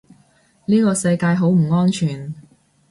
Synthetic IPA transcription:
liː˥kɔː˧sɐ˧jkaː˧jɦo˨˥wm̩˨˩ŋɔː˥nt͡ʃʰyː˨˩n

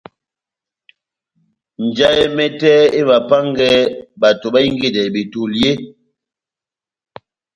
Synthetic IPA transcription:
n̩˨d͡ʒa˦je˦mɛ˦tɛ˦e˦βa˨pa˦ŋ˦ɡɛ˦ba˨to˨ba˦i˦ŋ˦ɡe˦˨dɛ˨bi˨tu˨lje˦

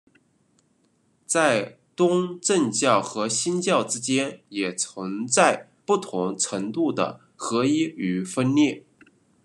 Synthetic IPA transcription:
t͡sa˥˩ɪ | t̪ʊ˥ŋʈ͡ʂə˥˧ŋt͡ɕjɑ˥˩ʊxɤ˧˥ɕi˥nt͡ɕjɑ˥˩ʊʈ͡ʂɻ̩˥t͡ɕjɛ˥njɛ˨˩t͡sʰə˧˥ŋt͡sa˥˧ɪ | pu˥˩t̪ʰʊ˧˥ŋʈ͡ʂʰɤ˧˥ŋt̪u˥˩d̪ə̰˩ | xɤ˧˥i˥y˧˥˩fə˥nljɛ˥˩

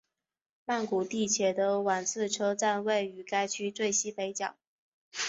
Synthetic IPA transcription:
ma˥˩nku˨˩t̪i˥˩t͡ɕʰjɛ˨˥d̪ə˧wa˨˩nt͡sʰɹ̩˥˧ʈ͡ʂʰɤ˥t͡sa˥˧nwe˥˩ɪy˨˩ka˥ɪt͡ɕʰy˥t͡swe˥˩ɪɕi˥pe˧˥ɪt͡ɕjɑ̰˨˩˦ŋ

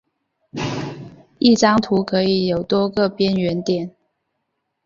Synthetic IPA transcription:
i˥˨ʈ͡ʂɑ˥ŋt̪ʰu˧˥kʰɤ˧˦˥i˨˩jo˨˩ʊt̪wɔ˥kɤ˥˨pjɛ˦˥nɥɛ˧˥nt̪jɛ˨˩˦n

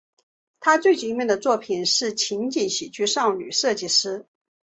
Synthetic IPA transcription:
t̪ʰa˥t͡swe˥˩ɪt͡ɕi˧˥ŋmɛ˥˩nd̪ə˩t͡swɔ˥˩pʰi˨˩nʂɻ̩˥˩t͡ɕʰi˧˥ŋt͡ɕi˨˩nɕi˨˩t͡ɕy˥ʂɑ˥˩ŋly˨˩ʂɤ˥˧t͡ɕi˥˩ʂɻ̩˥

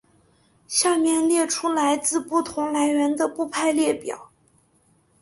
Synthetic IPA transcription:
ɕja˥˧mjɛ˥˧nljɛ˥˩ʈ͡ʂʰu˥la˧˥ɪt͡sɹ̩˥˧pu˥˩t̪ʰʊ˧˥ŋla˧˥ɪɥɛ˧˥nd̪ə˧pu˥˧pʰa˥˧ɪljɛ˥˩pjɑ̰˨˩˦ʊ

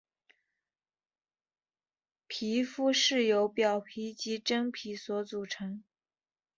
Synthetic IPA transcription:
pʰi˧˥fu˥ʂɻ̩˥˩jo˧˥ʊpjɑ˨˩ʊpʰi˧˥t͡ɕi˧˥ʈ͡ʂɤ˥ŋpʰi˧˥swɔ˧˥t͡su˨˩ʈ͡ʂʰɤ˧˥ŋ

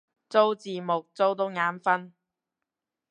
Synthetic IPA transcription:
t͡so˥wt͡siː˨mʊ˨k̚t͡so˥wt̪ʊ˨˥ŋaː˨˥nfɐ˥n

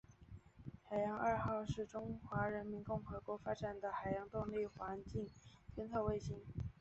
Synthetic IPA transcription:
xa˨˩ɪjɑ˧˥ŋɐ˞˥˧xɑ˥˧ʊʂɻ̩˥˩ʈ͡ʂʊ˥ŋxwa˧˥ɻə˧˥nmi˧˥nkʊ˥˩ŋxɤ˧˥kwɔ˧˥fa˥ʈ͡ʂa˨˩nd̪ə˩xa˨˩ɪjɑ˧˥ŋt̪ʊ˥˧ŋli˥˩xwa˧˥nt͡ɕi˥˩ŋt̪ʰjɛ˥nt͡sʰɤ˥˧ʊwe˥˧ɪɕi˥˩ŋ

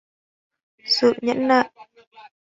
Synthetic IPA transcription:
sɨ̰˧˨ɲə̰˧˥nla̰ː˧˨jʔ

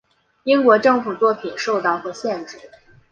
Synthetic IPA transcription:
i˥ŋkwɔ˧˥ʈ͡ʂɤ˥˩ŋfu˨˩t͡swɔ˥˩pʰi˨˩nʂo˥˧ʊt̪ɑ˥˩ʊxwɔ˧˥ɕjɛ˥˧nʈ͡ʂɻ̩˥˩˦

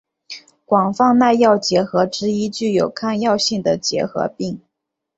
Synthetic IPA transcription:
kwɑ˨˩ŋfɑ˥˧ŋna˥˧ɪjɑ˥˩ʊt͡ɕjɛ˧˥xɤ˧˥ʈ͡ʂɻ̩˥i˥t͡ɕy˥˩jo˨˩ʊkʰa˥˧njɑ˥˧ʊɕi˥˩ŋd̪ə˩t͡ɕjɛ̰˧˥xɤ̰˧˥pi˥˩ŋ

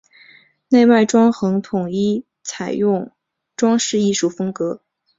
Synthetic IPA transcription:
ne˥˧ɪwa˥˩ɪʈ͡ʂwɑ˥ŋxɤ˧˥ŋt̪ʰʊ˨˩ŋi˥˩ | t͡sʰa˨˩ɪjʊ˥˩ŋ | ʈ͡ʂwɑ˥ŋʂɻ̩˥˧i˥˧ʂu˥˩fɤ˥ŋkɤ˧˥

